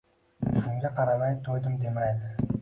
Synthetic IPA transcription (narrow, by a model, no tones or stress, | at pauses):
ʃuŋɡʲeqʰɑɾamɑj̪t̪ʰːojd̪əmd̪emɑjd̪ɪ